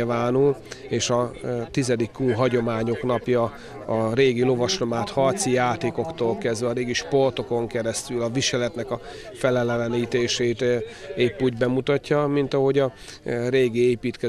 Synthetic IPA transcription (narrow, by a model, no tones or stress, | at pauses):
lvaːnuleːʃɒt̪izɛd̪ikːuːɦɒɟo̞maːɲo̞knɒpjɒ | ɒɾeːɡilo̞vɒʃlomaːt̪hɒrt̪sijaːt̪eːko̞kt̪oːlkɛzd̪vɛːɾeːɡiʃpo̞rt̪o̞ko̞ŋkɛɾɛst̪ylɒviʃɛlɛt̪nɛkɒ | fɛlɛlɛlɛniːt̪eːʃeːt̪eːpːuɟbɛmut̪ɒcːɒmint̪ɒɦo̞ɟɒɾeːɡieːpiːt̪kɛ